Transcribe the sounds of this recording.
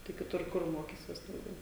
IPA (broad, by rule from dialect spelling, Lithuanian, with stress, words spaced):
tɐɪ kʲɪˈtʊr ˈkʊr ˈmoːkʲiːsʲiɛs dɐʊˈɡʲɛʊ